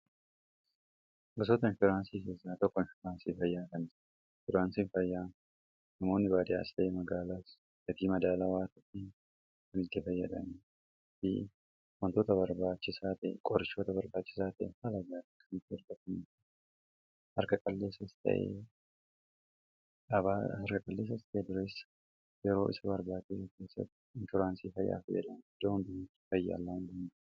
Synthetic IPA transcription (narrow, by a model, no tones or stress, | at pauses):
bʊs̬oːt̪ɐnfɪɾaːnsiːkeːsaːt̪ɔkːɔɪnfɪɾaːnsiːfɐjːaːkɐnd͡ʒ | fʊɾaːnsiːnfɐjːaː | nɐmo̞ːnːɪbaːd̪ɪa̰ːst̪ɐʔemɐɡaːlaːs | ɡɐt̪iːmɐd̪aːlaːwaːt̪ɐt̪ːɪ | kɐmɪɡːɐfɐjːɐᶑɐ̰mi | fḭ | wɐnt̪oːt̪ɐbɐɾbaːt͡ʃːɪsaːt̪ɐʔkʼɔɾɪʃoːt̪ɐbɐɾbaːt͡ʃːɪ̥saːt̪ɐʔhɐlɐɡaːt̪ɐkʰɐnɪt̪ːɪɐɾɡɐt̪ɐnit̪ | hɐɾkɐkʼɐlːe̞ːsːɐst̪ʰɐ̰ʔḛː | ʔɐbaːɐɾkɐkʼɐlːe̞ːs̬ːɐst̪ʰɐʔeːd̪ʊɾeːs | jɛɾo̞ːɪ̰sɐbɐɾbaːt͡ʃɪsɛke̞ːsːɐ̰t̪ːɪɪnt̪ʊɾaːnsiːfɐjːa̰ːfɐjːɐ̰ᶑɐnd̪oːnt̪ʊ̥fɐjːɐ̰ɐ̰lːaːnd̪ɐn